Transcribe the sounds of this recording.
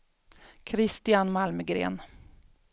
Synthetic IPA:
kʰɾɪst̪ɪanmalməɡɾḛːn

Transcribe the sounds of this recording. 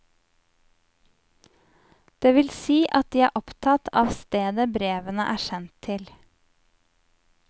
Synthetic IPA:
d̪̥eːʋɪlsiːʔɑt̪̚d̪iːæːɾʔɔpt̪ʰɑt̪ʰɑːʋst̪eːd̪əbɾeːʋənəʔæːʃɛnt̪ʰɪl

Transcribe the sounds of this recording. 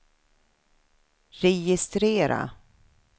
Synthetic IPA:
ɾɛjɪst̪ɾeːɾa̰

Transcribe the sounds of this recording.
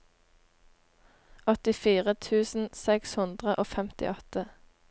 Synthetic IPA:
ʔɔt̪ɪfiːʁət̪ʰʉːsn̩sɛkshʉnd̪ʁəʔoːfɛmt̪ɪ̰ʔɔt̪ə

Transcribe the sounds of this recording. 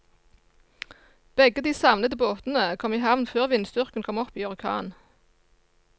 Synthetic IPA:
b̥ɛɡəd̪iːsɑʋnəd̪əboːt̪n̩əkʰɔmiːhɑʋnføːʁʋɪnst̪ʏʁkən̩kʰɔmɔpiːɑʁɪkʰɑ̰ːn

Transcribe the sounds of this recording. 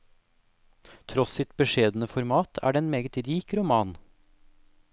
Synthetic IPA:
t̪ʰɾɔssɪt̪̚bəʂeːd̪n̩əfɔɾmɑːt̪ʰæ̰ːɖeːeːnmeːɡət̪ɾiːkɾʊmɑːn

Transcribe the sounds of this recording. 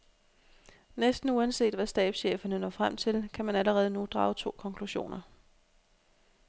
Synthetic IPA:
nesd̥n̩uænse̝̰ːd̥ʋæsd̥ɛ̰ːb̥sɕḛːfɐnənɒ̰ːfʁam̰t͡sʰe̝lkʰæmænæləʁɛːð̞̩ˠənud̥ʁɑ̈ːʊt͡sʰo̝̰ːkʰɒ̽ŋkʰluɕo̝̰ːnɐ

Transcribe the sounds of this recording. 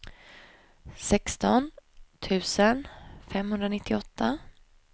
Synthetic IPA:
sɛkst̪ɔnt̪ʰʉ̟ːsənfɛmhɵnd̪ɾanɪt̪ːɪɔt̪ːa

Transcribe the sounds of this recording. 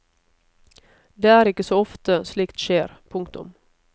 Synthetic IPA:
d̪eːæːɾɪkəsoːɔft̪əsliːkt̪ʃeːɾpʰʊŋkt̪ʊ̰m

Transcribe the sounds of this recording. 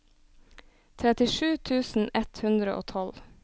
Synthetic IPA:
t̪ʰɾɛt̪ɪʃʉːt̪ʰʉːsn̩ɛt̪hʉnd̪ɾəʔo̰ːt̪ʰɔl

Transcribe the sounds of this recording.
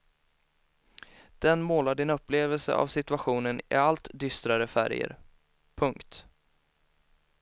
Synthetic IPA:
d̪̥ɛnmoːlaɖɪnɵpːleːvəlsə̰a̰vsɪt̪ɵaɧuːnənɪ̰alt̪d̪ʏst̪ɾaɾəfæ̰ɾjə̰ɾ | pʰɵŋkt̪

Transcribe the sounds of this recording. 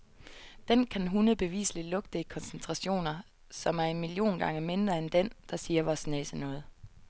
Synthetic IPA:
d̥enkʰænɦunəb̥e̝ʋḭːsəlilɔ̽ɡ̥̚d̥əikʰɒ̽nsent͡sʰʁɑ̈ɕo̝̰ːnɐ | sɒ̽mæɐe̝nmiljo̝̰ːnɡ̥ɑ̈ŋəme̝nd̥ʁɐend̥end̥ɑ̈siːɐʋɒsnɛ̰sənɔ̽ːð̩ˠ

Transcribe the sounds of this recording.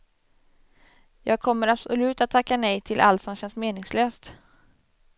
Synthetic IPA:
jɑːɡ̚kʰɔmːəɾabsʊlʉ̟ːt̪at̪ʰːakːanɛjt̪ʰɪlʔa̰lt̪sɔmɕɛnsmeːnɪŋsløːst̪

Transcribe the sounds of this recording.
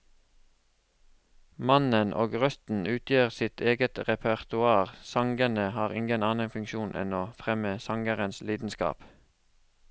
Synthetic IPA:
mɑnənʔo̰ːɡʁœst̪n̩ʉːt̪ʰjøːʁsɪt̪ʰeːɡət̪ʁɛpʰəʁt̪ʊɑːʁsɑŋɡənəhɑːʁɪŋɡənɑːnənfʉŋkʃuːnʔɛ̰noːfʁɛməsɑŋɡəʁənsliːd̪n̩skɑ̰ːp

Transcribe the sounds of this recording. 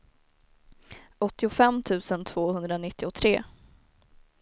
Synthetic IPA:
ɔt̪ːɪʊfɛmːt̪ʰʉ̟ːsənt̪ʰv̥oːhɵnd̪ɾanɪt̪ːɪʊt̪ʰɾeː

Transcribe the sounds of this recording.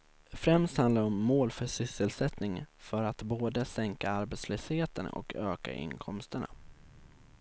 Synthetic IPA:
fɾɛmst̪hand̪aɾɔmːoːlfœʂʏsːəlsɛt̪nɪŋfœɾat̪boːd̪əsɛŋkaaɾbɛːt̪sløːsheːt̪ənɔ̰kʰøːka̰ʔɪ̰ŋkʰɔmst̪əɳa̰

